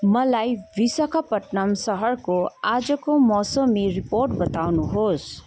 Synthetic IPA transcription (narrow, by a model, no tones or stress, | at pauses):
mʌlajbisʌkʰapʌʈnamsʌɦʌrkoad͡zʌkomɔsʌmiriporʈbʌt̪awnuɦos